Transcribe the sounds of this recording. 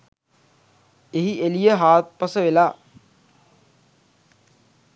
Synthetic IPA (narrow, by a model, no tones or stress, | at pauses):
eɦielijəɦaːt̪̚pasəʋelaː